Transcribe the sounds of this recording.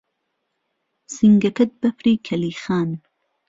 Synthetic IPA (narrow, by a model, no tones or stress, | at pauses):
siŋɡɐkɐt̪̚bɐpɾiːkʰɐliːxaːn